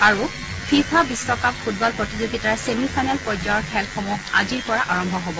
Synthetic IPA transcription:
aɹu | pʰiɹkʰabisɔkap̚pʰut̚bɔlpɹotizoɡitaɹsemifʰajnɛlpɔd͡ʒɔɔɹkʰɛlxɔmuɦaziɹpɔɹaʔaɹɔmbʱɔɦɔbɔ

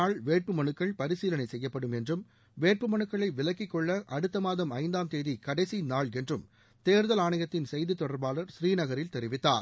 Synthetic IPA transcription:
aːɭʋeːʈ̚pɯmɐɳɯkːɐɭpɐɾɪsiːlɐnɐɪsɛjːɐpːɐɽɯmɛndrɯm | ʋeːʈ̚pɯmɐɳɯkːɐɭɐɪʋɪlɐkːɪkːɔɭːɐʔɐɽɯt̪ːɐmaːðɐmɐɪnd̪aːmt̪eːðikɐɽɐɪsinaːɭɛndrɯm | t̪eːɾðɐlaːɳɐjɐt̪ːɪnsɛjðit̪ːɔɽɐɾbaːlɐɾsɾiːnɐɣɐɾɪlt̪ɛɾɪʋɪt̪ːa̰ːɾ

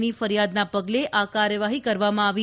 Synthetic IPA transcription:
nifəɾjad̪napəɡleʔakaɾjəʋaɦikəɾʋamãaʋi

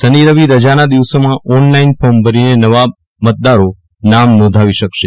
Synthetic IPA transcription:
səniɾəʋiɾəd͡ʒanad̪iʋsomãʔɔnlainfombʱəninenəʋa | mət̪̚d̪aɾo | namnɔ̃d̪ʱaʋiʃəkʃe

